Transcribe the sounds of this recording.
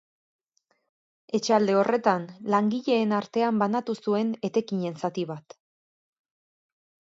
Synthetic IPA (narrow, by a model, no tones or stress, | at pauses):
e̞t͡ʃeald̪e̞o̞rʔe̞t̪anlaŋɡiʎe̞ːnaɾt̪e̞ambanat̪usue̞ne̞t̪e̞kiɲe̞nsat̪iβat̪